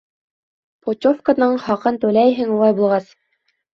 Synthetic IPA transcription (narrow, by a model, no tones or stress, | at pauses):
potʲofkənɤɴχɑqɤnt̪ʉlæjɦɘŋulˠɑjbulˠʁɑs